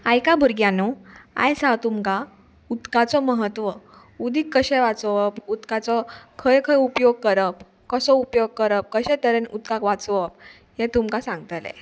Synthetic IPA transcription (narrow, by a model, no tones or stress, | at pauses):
ajkabuɾɡjanɔa̰jsat̪umka | ut̪kat͡sɔməɦət̪ʋə | ud̪ʱikːəɕɛʋat͡sɔʋəput̪kat͡sɔkʰəjkʰəjupjoɡ̚kəɾəp | kəsɔupjoɡ̚kəɾəp̚kəɕɛt̪əɾenut̪̚kakʋat͡sʋəp̚ | ɦɛt̪umkasãŋɡ̚t̪əlḛ